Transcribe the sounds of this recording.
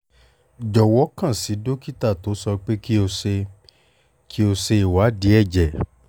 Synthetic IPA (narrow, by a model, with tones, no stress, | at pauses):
d͡ʒɔ˨wɔ˨˦kã˦˨si˨˦do˦ki˦ta˦˨to˨˦sɔ˧k͡pe˦ki˦o˧se˧ | kʰi˦o˧se˧i˨wa˨˦di˨˦ɛ˦˨d͡ʒɛ˨